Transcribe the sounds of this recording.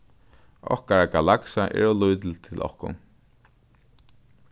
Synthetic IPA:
ɔhkaɹaɡalaksaʔɛ̰ɹɔlujt̪l̩t̪ʰɪlʔɔ̰hkʊ̰n

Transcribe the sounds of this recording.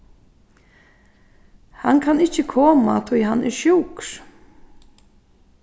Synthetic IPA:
hankʰanɪt͡ɕːəkʰɔːmat̪ʰɔjɦanɛ̰ɾʃuːkɾ

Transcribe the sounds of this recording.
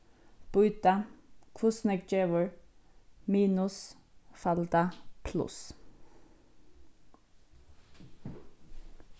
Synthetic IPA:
b̥ʉʏt̪ɑkʰʊsnɛk̚d͡ʒeːʋəɹ | miːnʉsfɑld̪ɑpʰlʉ̰s

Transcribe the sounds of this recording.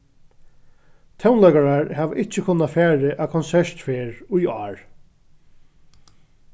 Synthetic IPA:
t̪ʰɛwnlɛːkaɹaɹhɛːʋʔɪt͡ʃɪkʊnːafæːɹɪʔakʰɔnsɛʂt̪feːɹujɑːɹ

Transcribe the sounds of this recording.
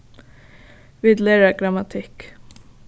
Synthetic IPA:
ʋiːd̪leːɾəɡɾɑmɑt̪ʰɪk

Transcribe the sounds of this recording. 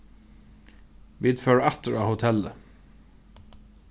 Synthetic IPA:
ʋiːd̪føːɹæt̪əɹɑːhʊt̪ʰɛlə

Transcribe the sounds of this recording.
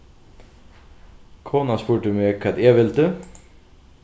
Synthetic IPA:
kʰoːnɑspuːʈʉmeːkʰɑt̪eːʋɪlt̪ʉ

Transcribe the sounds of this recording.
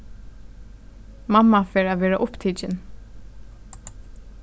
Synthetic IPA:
mamːafɛːɾaʋɛːɹaʔʊpt̪ʰiːt͡ʃɪn

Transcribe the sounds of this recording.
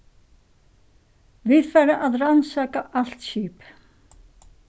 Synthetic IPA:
vɪðfaːjɾaʔaðransaːkaʔal̥t̪ɕiːp

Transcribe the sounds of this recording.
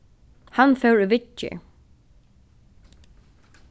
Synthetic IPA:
hanfɛwɾʏvɪt͡ʃːɪ̰

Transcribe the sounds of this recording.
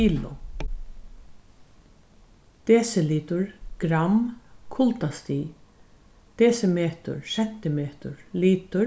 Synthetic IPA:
iːlʊ̰ | t̪eːsɪliːt̪ʊɹɡ̥ɾamkʰʊlt̪ast̪iː | t̪eːsɪmeːt̪ʊ̰ɹsɛm̥t̪ɪmeːt̪ʊ̰ɹliːt̪ʊ

